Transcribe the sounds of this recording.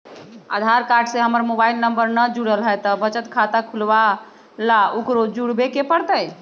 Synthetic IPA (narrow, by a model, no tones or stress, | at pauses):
a̰d̪ʱaɾkaɾɖseɦəməɾmobailnəmbəɾnəd͡ʒuɽəlɦəjt̪əbət͡ʃət̪kʰat̪akʰulʋa | laukɾod͡ʒuɽbekepəɽt̪əj